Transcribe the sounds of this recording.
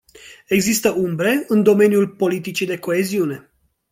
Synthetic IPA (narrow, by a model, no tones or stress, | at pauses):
e̞ɡzist̪əʔumbɾe̞ɨnd̪o̞me̞njulpo̞lit̪it͡ʃid̪e̞ko̞eziune̞